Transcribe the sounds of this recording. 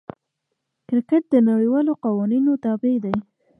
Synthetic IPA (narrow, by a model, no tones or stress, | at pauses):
kɾkəʈ̚d̪ənawiwɑloqawɑninot̪ɑbed̪aj